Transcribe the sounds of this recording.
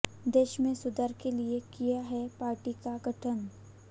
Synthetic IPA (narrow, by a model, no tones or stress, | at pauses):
d̪eːʃmẽsʊd̪əɾkeliekijaɦɛpaːɾʈikaɡʱɐʈʰən